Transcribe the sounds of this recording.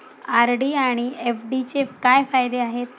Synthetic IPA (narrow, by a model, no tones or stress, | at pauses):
aɾɖiaɽ̃iefɖit͡ɕekajfajd̪eaɦet̪